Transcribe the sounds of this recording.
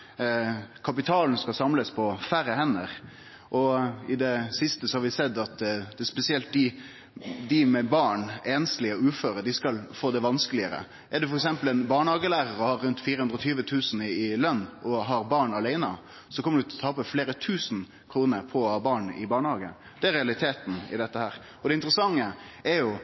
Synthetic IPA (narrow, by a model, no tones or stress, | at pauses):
kʰɑpɪt̪ʰɑːln̩skɑlsɑmləspʰɔfæɾəhɛnːəɾ | ʔɔɪd̪ɛsɪst̪əsɔhɑɾʋɪsɛd̪ɑt̪d̪ɛspɛsɪɛlt̪̚d̪ɪ | d̪ɪmɛbɑːɳeːnslɪɔʉːføːɾəd̪ɪskɑlfoːd̪ɛʋɑnskəlɪəɾə̰ | ʔɛd̪ɛfɔɾɛksɛmpəlɛnbɑːɳhɑːɡəlæːɾəɾəhɑɾːʉnt̪fiːɾəhʉnɾɔt̪ʰyːʋət̪ʰʉːsn̩ɪlœnːʔɔɦɑɾbɑːɳɑlæɪnə | sɔkʰɔməɖ̪ɛʉːt̪ʰlɔt̪ʰɑːpəfleːɾət̪ʰʉːsn̩ | kʰɾuːnəɾpʰɔɔhɑːbɑːɳɪ̰bɑːɳəhɑːɡə̰ | d̪̥ɛæɾɛɑlɪt̪ʰeːt̪n̩ɪ̰d̪ɛt̪ːəhæːɾ | ɔd̪ɛɪnt̪ɾəsɑŋːəɛɾjʊ